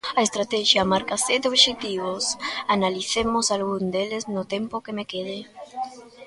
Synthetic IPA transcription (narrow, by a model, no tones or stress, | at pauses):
aest̪ɾat̪ɛʃjamaɾkased̪oβʃek̚t̪iβ̞osanaliθemʊsalɣund̪eleznʊt̪empʊkemekeðe